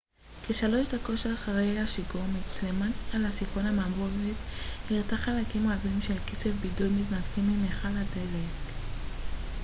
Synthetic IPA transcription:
keʃalo̞ʃdako̞ʃelaχaʁejaʃiɡomit͡slematalasifonamamʁovethiʁtaχalakimoavimʃelkit͡sevbidulmitnadkimimeχaladelek

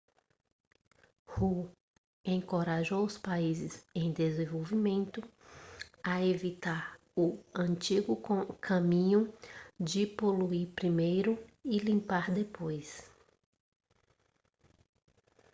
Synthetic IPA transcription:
hu | ẽŋkoɾaʒowʊspaizɪzẽj̃d̪ezẽvowvimẽnt̪ʊ | aevit̪aɾ | ʊɐ̃nt͡ʃiɡʊkʰɐ̃mĩɲʊd͡ʒɪpoluiɾpɾimejɾʊɪlĩmpaɾd̪epojs

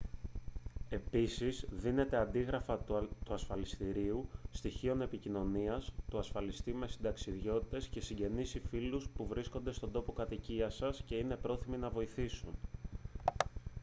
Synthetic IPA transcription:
e̞pisizðine̞t̪e̞ɐnd̪iɣɾɐfɐt̪t̪uɐsfɐlist̪iɾiust̪içio̞ne̞picino̞niɐst̪uɐsfɐlist̪ime̞sind̪ɐksiðʝo̞t̪i̥t̪e̞sce̞siɲɟe̞nisifiluspuvɾiskond̪est̪ond̪o̞po̞kɐt̪iciɐsɐsce̞ine̞pɾo̞θiminɐvo̞iθisun

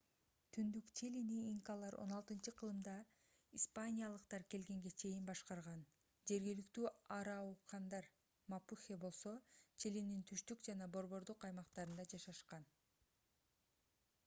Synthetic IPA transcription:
t̪ʰynd̪ykt͡ʃʰeliniːŋkalˠɑɾʔo̞̰nɑlˠt̪ɯnt͡ʃɯqʰɯlˠɯmd̪ɑ | ispanʲijalˠɯqt̪ɑɾke̞lɡe̞ŋɡe̞t͡ʃʰe̞jinbɑʃqɑɾʁɑn | d͡ʒe̞ɾɡilykt̪yːɑɾɑuqʰɑnd̪ɑɾ | mapuxʲebo̞lˠso̞t͡ʃelinint̪ʰyʃt̪ykd͡ʒɑnɑbo̞ɾβo̞ɾd̪uqɑjmɑqt̪ɑɾɯnd̪ɑd͡ʒɑʃɑʃqɑn

